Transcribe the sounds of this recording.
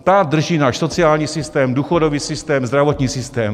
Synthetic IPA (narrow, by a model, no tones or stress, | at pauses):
t̪ad̪r̩ʒiːnaːʃsot͡sɪaːlɲiːsɪst̪ɛːmduːxodoviːsɪst̪ɛːmzd̪ɾavot̪ɲiːsɪst̪ɛːm